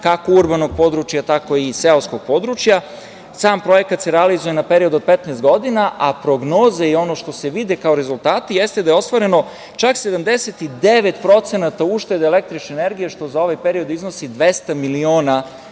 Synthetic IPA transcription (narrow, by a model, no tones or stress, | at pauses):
kakouɾbano̞ɡ̚po̞d̪ɾut͡ʃjat̪ako̞iseoskoɡ̥̚po̞d̪ɾut͡ʃja | saːmpɾo̞je̞kat̪seɾealizuje̞napeɾio̞d̪uo̞d̪̚pe̞t̪nɛːst̪ɡo̞d̪inaʔapɾo̞ɡno̞ːzeio̞no̞ʃt̪o̞seʋid̪ekaoɾezulˠt̪aːt̪ijest̪ed̪ajeost̪ʋaɾe̞no̞ | t͡ʃaksed̪amd̪e̞set̪id̪e̞ʋe̞t̪pɾo̞t̪senat̪auːʃt̪e̞d̪ele̞k̚t̪ɾit͡ʃnene̞ɾɡijeʃt̪o̞zao̞ʋajpeɾio̞d̪izno̞sid̪ʋest̪amilio̞ːna